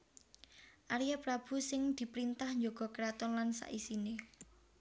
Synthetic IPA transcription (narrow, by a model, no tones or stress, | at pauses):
ʔaɾijapɾab̥ṳsɪŋd̪̥i̤pɾint̪ahɲd͡ʒoɡ̥ɔ̤kɾat̪ɔnlansa̰ʔisine